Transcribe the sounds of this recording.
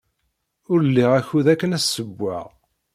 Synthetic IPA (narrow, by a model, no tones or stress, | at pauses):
ʊɾəlːiʁæçuðækːənæsːəbʷːæ̰ʁ